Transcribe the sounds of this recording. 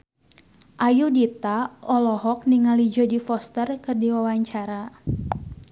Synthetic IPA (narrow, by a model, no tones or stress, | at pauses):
ʔajudit̪aɔlɔɦɔk̚niŋalid͡ʒɔdifɔst̪ərkɨrdiwawaɲt͡ʃaɾa